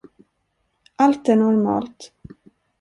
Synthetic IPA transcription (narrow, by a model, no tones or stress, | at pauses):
ʔalt̪æɳɔɾmɑ̰ːlt̪